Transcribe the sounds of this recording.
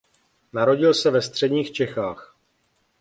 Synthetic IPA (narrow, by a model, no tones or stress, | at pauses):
naɾo̞ɟɪlsɛvɛst̪r̝̥ɛdɲiːxt͡ʃɛxaːx